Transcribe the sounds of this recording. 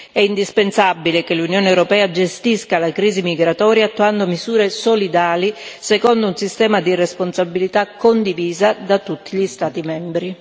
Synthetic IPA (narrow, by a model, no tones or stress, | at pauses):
ɛind̪ispensabilekelunjoːneɛwɾopɛːad͡ʒest̪iskalakɾiːzimiɡɾat̪ɔːɾjat̪ːuand̪omizuːɾesolid̪aːlisekɔnd̪ounsist̪ɛːmad̪iresponsabilit̪akːond̪iviːzad̪at̪ːut̪ːiʎist̪aːt̪imɛmbɾi